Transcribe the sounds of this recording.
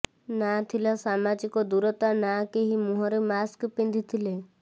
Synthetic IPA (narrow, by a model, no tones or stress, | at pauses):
nat̪ʰilasamad͡ʒikɔd̪uɾɔt̪anakeɦimuɦɔɾemaskpĩnd̪ʱit̪ʰile